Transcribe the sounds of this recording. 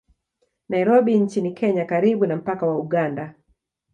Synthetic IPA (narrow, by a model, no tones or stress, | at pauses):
naiɾɔɓint͡ʃinikʰɛɲakaɾiɓunam̩pakawauɠanda